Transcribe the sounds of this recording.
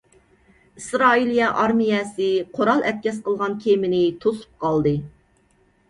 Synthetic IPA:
ɨsɾɑːilijɛʔɑɾmijɛsɨqʰoɾɑlˠɛt̪̚kʲɛsqəlˠʁɑnkʲʰemɪnɪt̪ʰosu̥p̚qʰɑlˠd̪ɨ

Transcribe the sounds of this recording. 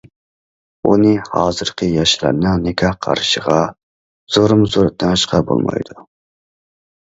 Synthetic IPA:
unɨhɑːzɨɾqʰɨjɑʃla̰ɾnɨnɪkʰʲɑhqʰɑ̰ɾɨʃəʁɑ | z̥oɾɨmzoɾd̪ʰɑnʃqʰɑbo̰lˠmɑ̰jd̪u

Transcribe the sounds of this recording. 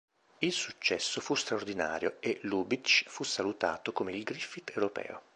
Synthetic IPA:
ilsut͡ʃːɛsːofust̪ɾaord̪ina̰ːɾjoeluːbit͡ʃfusːalut̪a̰ːt̪okomeilɡɾifit̪ewɾopɛ̰ːo̰

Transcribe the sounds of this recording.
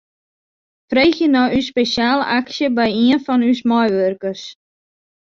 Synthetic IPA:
frejxjənɔʔyspesjaːlə̰ʔaksjəbɛjiənfɔnysmɔjʋørkərs

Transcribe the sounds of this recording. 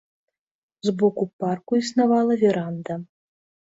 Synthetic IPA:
zbɔkuparkuisnavalˠɐvʲɛɾand̪ɐ

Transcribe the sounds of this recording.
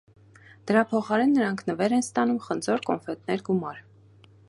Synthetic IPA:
d̪̥əɾɑpʰɔχɑɾɛnːəɾɑŋkʰnəvɛɾɛnst̪ɑnumχənd͡zɔɾkɔnfɛt̪nɛɾɡumɑɾ

